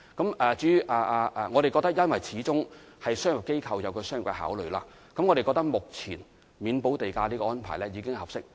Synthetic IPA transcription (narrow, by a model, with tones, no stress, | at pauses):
kɐ˨˥mɛː˨˧t͡syː˨˥˨ʔaː˧˩ʔaː˧ʔɛ˨ŋɔː˨˧ɾe˨kɔː˧k̚t̪ɐ˥k̚jɐ˥nwɐ˨jt͡sʰiː˨˥t͡sʊ˥ŋhɐ˨jsœː˥ŋjʊ˨p̚ke˥jkʰɐ˧wjɐ˨˧wkʰɵ˧sœː˥ŋʊ˨˩kɐ˧ɦa̰ː˨˥wlɵ˨ɥlaː˧ | kɐ˨˥mŋɔ˨˧ɾe˨jkɔ˧k̚t̪ɐ˥k̚mʊ˨k̚t͡sʰiː˨˩n | miː˨˧˥npo˨˥wt̪e˨jkaː˧liː˥kɔ˧ɔː˥npʰaː˨˩jlɛː˥jiː˨˧kɪ˥ŋhɐ˨psɪ˥k̚